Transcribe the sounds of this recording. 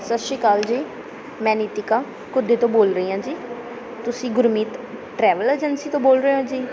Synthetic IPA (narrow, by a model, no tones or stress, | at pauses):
səʃiːkaːld͡ʒiː | mɛ̃ːniːt̪ikaː | kʊd̪eːt̪õːboːlɾəiːɦãːd͡ʒiː | t̪ʊsĩːɡʊɾmiːt̪ʈɾɛːʋəleːd͡ʒənsiːt̪õːboːlɾəeõːd͡ʒiː